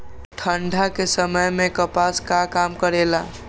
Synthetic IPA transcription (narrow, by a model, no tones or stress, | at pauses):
ʈʰəɳɖʱakesəməjmẽkəpaskakaːmkəɾela